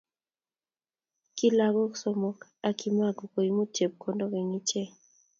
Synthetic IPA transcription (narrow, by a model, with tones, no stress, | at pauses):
ki˦la˦ɡɔ˦kso˦mɔ˦ka˨ki˦ma˦˨ɡo˨ko˨i˨˦mu˦te˨p̚kʰo˨ndo˦ɡe˨ŋi˦t͡ʃe˦